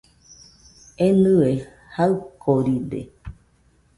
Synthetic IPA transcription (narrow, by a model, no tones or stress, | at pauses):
enɨe | haɨkʰoɾidḛ